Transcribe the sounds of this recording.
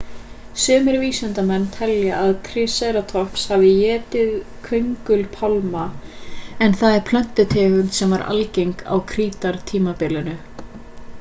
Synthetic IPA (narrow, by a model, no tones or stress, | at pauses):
sʏːmɪɾviːsɛnt̪amɛnːt̪ʰɛljaʔːðkʰɾɪsɛɾat̪ʰɔhpshavɪjɛːt̪ɪðkʰœɥŋkʏlpʰalma | ɛnθaðɛɾ̥pʰlœn̥t̪ɪt̪ʰɛːvʏnsɛmvaɾʔa̰lcejŋka̰wkʰɾiːt̪aɾ̥t̪ʰiːmapɪlɪnʏ